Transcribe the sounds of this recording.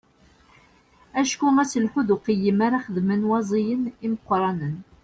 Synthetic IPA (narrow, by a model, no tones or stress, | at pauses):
æʃkumæsəlħuðuqəjːəmaɾaχəðmənwɑzˤijəniməqːɾˤɑnən